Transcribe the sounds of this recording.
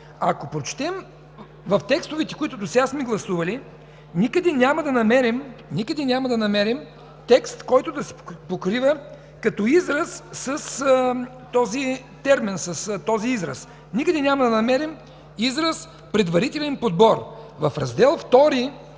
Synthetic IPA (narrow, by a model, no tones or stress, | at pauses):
ɐkopɾot͡ʃt̪ɛm | vɐft̪ɛkst̪ovɛt̪ɛ̥kʊit̪ʊd̪osɛɡasmɛɡlˠɐsuvɐli | nikəd̪ɛnʲjamɐd̪ɐnɐmɛɾimnʲikəd̪ɛnʲamɐd̪ɐnɐmɛɾim | t̪ɛkst̪kɔjt̪ʊd̪ɐsɛ̥pokɾivə | kɐt̪ɔizɾɐsːɐs | t̪ɔzi | t̪ɛɾminsɐst̪ɔziizɾɐ̰s | nikəd̪ɛnʲamɐd̪ɐnɐmɛɾim | izɾɐs | pɾɛd̪vɐɾit̪ɛlɛnpod̪̚bɔɾvɐfɾɐzd̪ɛlˠft̪ɔɾi